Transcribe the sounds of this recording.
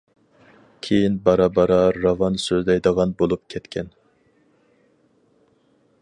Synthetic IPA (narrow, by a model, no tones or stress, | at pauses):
kʲʰejinbɑɾɑbɑɾɑɾɑvɑnsøzlɛjd̪əʁɑnbolˠup̚kʲʰɛt̪kʲʰɛn